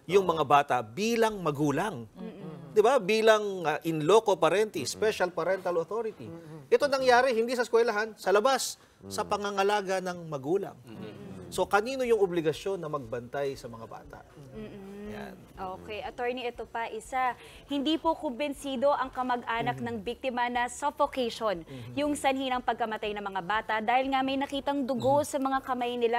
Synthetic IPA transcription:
jʊŋmɐŋabaːt̪ɐbiːlɐŋmɐɡuːlɐŋ | d̪ɪbabiːlɐŋɐʔɪnloko̞pɐɾɛnt̪ispɛʃɐlpɐɾɛnt̪ɐlot̪oɾɪt̪iʔɛt̪onɐŋjaːɾɛhɪnd̪isɐskwɛlɐɦansɐlɐbasː | ɐpɐŋaŋɐlaːɡɐnɐŋmɐɡuːlɐ̰ŋso̞kɐniːno̞jʊŋʔʊblɪɡɐʃjo̞nːɐmɐɡ̚bɐnt̪ajsɐmɐŋaba̰ːt̪a̰ʔm̩ːja̰nʔoːkɛjʔɐt̪oɹniʔɛt̪opɐʔɪsa | hɪnd̪ipokʊmbɪnsiːd̪o̞ʔɐŋkɐmɐɡʔaːnɐk̚nɐŋbik̚t̪ɪmɐnɐsofokejʃonjʊŋsɐnhinɐŋpɐɡ̚kɐmɐt̪ajnɐŋmɐŋabaːt̪ɐʔd̪aːhɪlŋɐmɐjnɐkiːt̪ɐŋd̪ʊɡo̞sɐmɐŋakɐmajnɪla

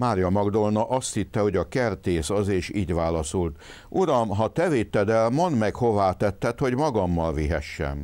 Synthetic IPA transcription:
maːɾjɒmɒɡd̪olnɒʔɒst̪hit̪ːɛho̞ɟɒkɛrt̪eːsɒzeːʃiːɟʋaːlɒsolt̪ | ʔuɾɒmɦɒt̪ɛveːt̪ːɛd̪ɛlmond̪mɛkho̞vaːt̪ɛt̪ːɛt̪ho̞ɟmɒɡɒmːɒlviɦɛʃːɛ̰n

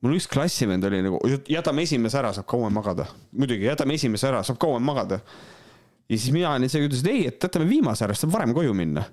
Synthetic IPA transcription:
mulyksklɑsʲːimend̪̥o̞lʲinɑɡ̥ṵjjæt̪ːˑɑme̞sʲimes̬eæɾɑsɑːb̥̚kʰɑwemːɑɡ̥ɑd̪̥ɑ̰mujd̪uɡ̥ijæt̪ːˑɑme̞sʲimeseæɾɑsɑːb̥̚kɑwemːɑɡ̥ɑd̪̥ɑ | jɑsisminɑɑnʲinsekyt̪̬les̬d̪e̞jet̪ːæt̪ːˑɑmeviːmɑseæɾɑsɑbvɑɾe̞mko̞juminːɑ̰

